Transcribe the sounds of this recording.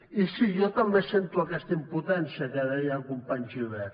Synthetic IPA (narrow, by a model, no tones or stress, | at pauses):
isiʒɔt̪ɐmbesent̪uɐkɛst̪əimput̪ɛnsiəkaðɛjakumpaɲziβɛ